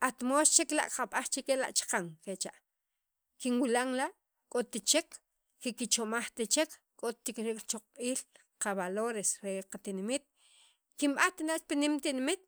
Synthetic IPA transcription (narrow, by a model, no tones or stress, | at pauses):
ʔat̪most͡ʃekla̰ʔqaɓaχt͡ʃekela̰ʔt͡ʃḁqaŋket͡ʃa̰ʔ | kinwilaŋlaʔ | kʼot̪it͡ʃek | kikit͡ʃomaχt̪at͡ʃek | kʼot̪ːikɾiːkʼɾt͡ʃoq͡χʼɓiːl | qaβaloɾesɾeqat̪inmit̪̚ | kimɓant̪alaʔt͡ʃpinimt̪inmit̪̚